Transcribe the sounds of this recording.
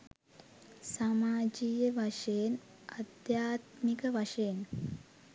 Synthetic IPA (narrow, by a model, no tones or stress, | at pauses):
saːmaːd͡ʒijɐʋɐʂeːn | ɐd̪jaːt̪mikɐʋɐʂeːn